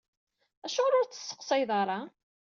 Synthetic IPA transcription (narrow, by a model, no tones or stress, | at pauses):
æʃuɾʊɾt͡sːə̥sːə̥qsˤɑjðˤɑɾˤɑ